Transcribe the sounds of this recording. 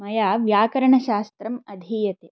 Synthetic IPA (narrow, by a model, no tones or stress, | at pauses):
mɐjaːʋjaːkɐɾɐɳɐʃaːst̪ɾɐmɐd̪ʱiːjɐt̪e